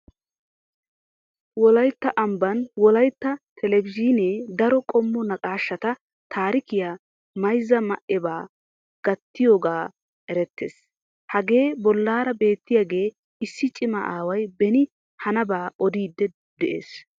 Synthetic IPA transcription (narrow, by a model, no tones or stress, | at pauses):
wɔlɐjt̪ːɐʔɐmbɐnwɔlɐjt̪ːɐt̪ʰɛlɛbɪd͡ʒiːneːd̪ɐɾɔkʼɔmːɔnɐkʼaːʃːɐt̪ɐ | t̪ʰaːɾɪkɪja | mɐjzːɐmɐʔɛbaː | ɡ̥ɐt̪ːɪjoːɡaː | ʔɛɾɛt̪ːḛːs | hɐɡe̞ːbɔlːaːɾɐbe̞ːt̪ːɪjaɡe̞ː | ɪsːɪt͡ʃʼɪmɐ̰ʔaːwɐjbɛnɪ | hɐnɐbaːʔɔd̪iːd̪ːɛ | d̪ɛʔḛːs